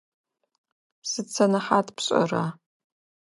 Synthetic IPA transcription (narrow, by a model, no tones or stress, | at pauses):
sɨt͡sʰɐnɐħaːtʰpɕʼɐ̰raː